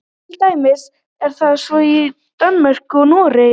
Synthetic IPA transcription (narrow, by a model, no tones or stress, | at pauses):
t̪ʰɪlt̪aːjmɪs | ɛɾ̥θaðsvɔi | t̪anmɛr̥kʏɔnɔːɾɪ